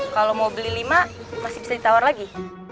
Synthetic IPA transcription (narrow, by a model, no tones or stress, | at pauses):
kalowmobəlilimamasibisadit̪awarlaɡi